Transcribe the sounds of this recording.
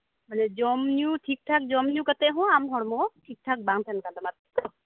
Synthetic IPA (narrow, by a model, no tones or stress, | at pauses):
manɛd͡ʒɔmnuʈʰik̚ʈʰak̚d͡ʒɔmnjũkat̪ɛɦɔ̃amɦɔɽmɔʈʰik̚ʈʰak̚baŋt̪ʰɛnkald̪ɔmat̪̚kɔ